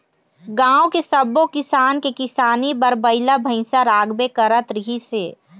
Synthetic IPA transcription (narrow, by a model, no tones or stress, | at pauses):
ɡãːokesəbokɪsaːnkekɪsaːnibəɾbəɪlabʱə̃ɪsaɾaːɡbekəɾət̪ɾɪɦiseː